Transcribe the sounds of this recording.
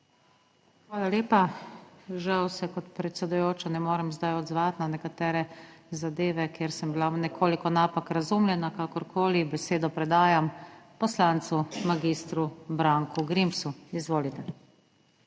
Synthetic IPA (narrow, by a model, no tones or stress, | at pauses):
xʋaːlaleːpa | ʒawsɛkɔt̪pɾɛt̪sɛd̪ujoːt͡ʃanɛmoːɾɛmzd̪ajɔd̪zʋat̪nanɛkat̪ɛːɾɛzad̪eːʋɛkjeːɾsəmbilanɛkʰoːlikɔnapakɾazumljɛnakakɔɾkʰoːlibɛseːd̪ɔpɾɛd̪aːjampɔslant̪sumaɡist̪ɾubɾaŋkuɡɾimpsuizʋoːlit̪ɛ